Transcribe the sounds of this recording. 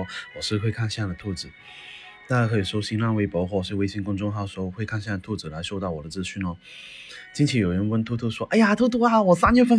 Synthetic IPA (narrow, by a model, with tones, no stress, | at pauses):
ɔ˥wɔ˨˩ʂɻ̩˥˧xwe˥˧ɪkʰa˥˧nɕja˥˧˩d̪ə˩t̪ʰu˥˩t͡sɹ̩˨˩˦ | t̪a˥˧ja˥kʰɤ˧˥i˨˩ʂo˥ʊɕi˥nla˥˧nwe˥ɪpɔ˧˥xwɔ˥˩˨we˥ɪɕi˧˥˩ŋkʊ˥ŋʈ͡ʂʊ˥˧ŋt̪ʰa˥d̪ə˨ʂo˧˥˧xwe˥˧ɪkʰa˥˧nɕja˥˩d̪ə˩t̪ʰu˥˩t͡sɹ̩˨˩la˧˥ɪʂo˥˧ʊt̪ɑ˥˩ʊwɔ˨˩d̪ə˦t͡sɹ̩˥˧t͡ɕʰy˥˩nə˩ | t͡ɕi˥ŋt͡ɕʰi˧˥jo˨˩ʊɻə˧˥nwə˥nt̪ʰu˥t̪ʰu˥˩ʂwɔ˥ʔa˥˩ɪja˨t̪ʰu˥t̪wɔ˥a˨˩wɔ˨˩sa˥nɥɛ˥˧fə˥